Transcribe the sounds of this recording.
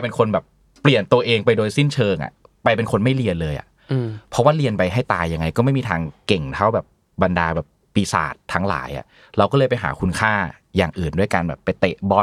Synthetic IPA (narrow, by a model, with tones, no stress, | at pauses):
pe˧nkʰo˧nbɛː˨˩p | pːli˨˩ənt̪u˧əʔeː˧ŋpa˧jdoː˧jsi˥˩nt͡ɕʰɤː˧ŋʔa̰˨˩ʔ | pa˧jpe˧nkʰo˧nma˥˩jli˧ənlɤː˧jʔa̰˨˩ʔ | pʰɔ˦˥waː˥˩li˧ənpa˧jɦa˥˩jt̪aː˧jːa˧ŋːa˧jkɔː˥˩ma˥˩jmiː˧t̪ʰaː˧ŋke˨˩ŋt̪ʰa˦˥˩wbɛː˨˩p̚ | ba˧ndaː˧bɛː˨˩pːiː˧sa̰ː˨˩t̪ʰːa˦˥ŋla̰ː˩˦jʔa̰˨˩ʔ | ɾa˧wkɔː˥˩lɤː˧jpa˧jɦa̰ː˩˦kʰu˧nkʰaː˥˩ | jaː˨˩ŋʔɯː˨˩ndu˥˩əjkaː˧nbɛː˨˩pːa˧jt̪ḛ˨˩ʔbɔ˧˩